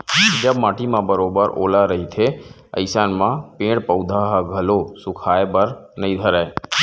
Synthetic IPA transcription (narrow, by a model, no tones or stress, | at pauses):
d͡ʒəbmaːʈimãbəɾoːbəɾʔo̰ːlaɾəɦit̪ʰe | ə̰ɪsaːnmãpẽːɽpəʊd̪ʱaɦaɡʱəlosʊkʰaːebəɾnəĩd̪ʱəɾa